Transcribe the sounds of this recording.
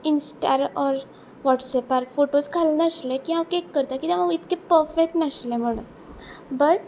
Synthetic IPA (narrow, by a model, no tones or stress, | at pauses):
insʈaɾɔɾ | ʋɔʈsɛpaɾfoʈoskʰalnəɕlẽkiãwkekːəɾt̪ãkit̪amaɡit̪kẽpəɾfek̚ʈnəɕlẽm̤əɽ̃ṵn | bəʈ